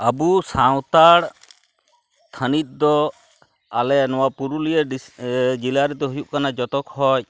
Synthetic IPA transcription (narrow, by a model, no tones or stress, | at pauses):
əbusaw̃t̪aɽ | t̪ʰənit̪̚ˀd̪ɔ | alɛnɔwapuɾuliəɖid͡ʒilaɾɛt̪ɛɦujuʔkanad͡ʒɔt̪ɔkhɔc